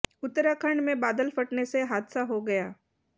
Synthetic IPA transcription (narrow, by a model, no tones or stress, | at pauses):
ʊt̪ːəɾakʰɐɳɖmẽbaːd̪əlfɐʈneseɦaːd̪saɦoɡɐjaː